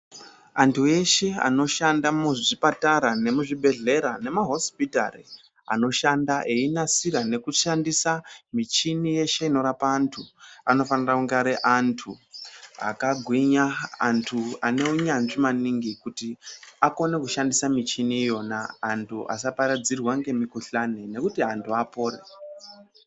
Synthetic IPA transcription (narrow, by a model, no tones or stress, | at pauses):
antʰue̞ʃe̞a̰no̞ʃandamuʐipataɾane̞muʐibʱe̞ɮe̞ɾane̞maɦo̞spita̰rḭ | a̰no̞ʃandaʔeinasiɾane̞kuʃandisamit͡ʃinije̞ʃe̞ino̞ɾapaːntʰuano̞fanirakuŋɡaɾeʔantʰua̰kaɡʱwiɲaːntʰuane̞uɲanʐimaniŋɡikutiako̞ne̞kuʃandisamit͡ʃiniːjo̞naːntʰuʔa̰sapaɾad͡zirwaŋɡe̞mikuɬanene̞kutiɦantʰuapo̞ːɾḛ